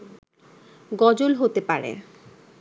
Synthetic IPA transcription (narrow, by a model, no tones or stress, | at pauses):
ɡɔd͡ʑolɦot̪epaɾḛ